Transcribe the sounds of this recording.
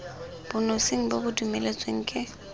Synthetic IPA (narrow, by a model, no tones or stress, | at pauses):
b̥ʊnosɪŋ̩bobʊdumelet͡sʼweŋ̩kʼɪ